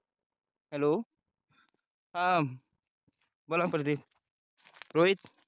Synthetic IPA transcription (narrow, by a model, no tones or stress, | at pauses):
ɦɛlo | hã | bolãpəɾd̪i | ɾoːit̪